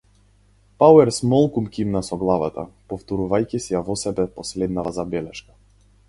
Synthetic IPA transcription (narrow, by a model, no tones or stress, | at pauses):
pawɛɾsmɔlˠkumkʲimnasɔɡlˠava̰t̪a̰pɔft̪ɔɾuvajcisijavɔsɛbɛpɔslɛd̪navazabɛlɛʃkḁ